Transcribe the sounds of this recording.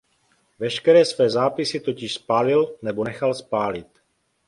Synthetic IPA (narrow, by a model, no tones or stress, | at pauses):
vɛʃkɛɾɛːsvɛːzaːpɪsɪt̪o̞cɪʃspaːlɪlnɛbonɛxalspaːlɪt̪